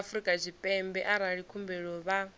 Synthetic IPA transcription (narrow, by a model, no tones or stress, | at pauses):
fɾikʼad͡ʒʷipʼɛmbɛʔaɾaɺikʰumbɛɺɔβa